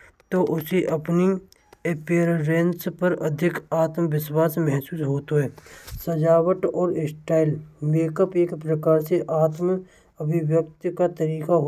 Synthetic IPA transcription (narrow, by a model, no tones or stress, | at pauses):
t̪oʔʊsiʔɐpni | epeːɾɾẽnspəɾəd̪ʱɪkaːt̪mʋɪswaːsmɛɦsuːsɦoːt̪oɦɛːsəd͡ʒaːwəʈɔːɾɪsʈaːɪlmeːkəpeːkpɾəkaːɾseʔaːt̪m | əbʱɪʋjək̚t̪kat̪əɾiːkaɦo